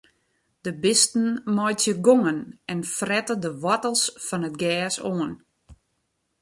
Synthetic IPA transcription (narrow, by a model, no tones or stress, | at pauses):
d̥əbɪstn̩mɔjtjəɡoŋənɛnfrɛtədəʋɔtəlˠsfɔnət̚ɡɛːsoːən